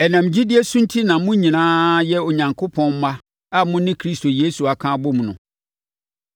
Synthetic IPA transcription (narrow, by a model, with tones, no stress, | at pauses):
ɛ˨nã˨m̩˨d͡ʑi˦dɪ˦e˦sũ˦n̩˦tʰi˦nã˨mʊ̃˦ɲĩ˨nãː˦jɛ˦o˨ɲã˨ŋkʰo˦pʰɔ̃˦nm̩˦ma˦ | a˦mʊ̃˦nɪ̃˦kʰɾi˦sto˨jeː˦su˨a˨kʰãː˦bʊ˦m˨nʊ̰̃˨